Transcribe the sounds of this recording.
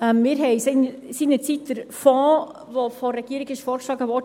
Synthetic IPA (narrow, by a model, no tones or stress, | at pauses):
ɛmmɪːɾɦɛɪsen | siːnət͡sit̪ːəɾfɔː | vofɔrɾːɛɡ̥iːɾɪɡɪʃfɔːɾkʃlɑːɡəʋɔd